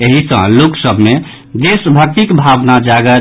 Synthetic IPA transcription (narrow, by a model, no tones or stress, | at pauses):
eɦisə̰̃loksəbʱme | d̪esbʱək̚t̪ikbʱabnad͡ʒaɡə